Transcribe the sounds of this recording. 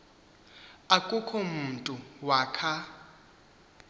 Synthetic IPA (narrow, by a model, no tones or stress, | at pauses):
akʼukʰɔmuntʼuwaːkʰa